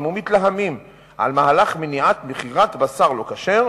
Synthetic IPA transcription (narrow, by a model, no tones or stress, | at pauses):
mumit̪laɦamim | ʔa̰lmaalaχmeniat̪meχiʁat̪basaʁlo̞kaʃeʁ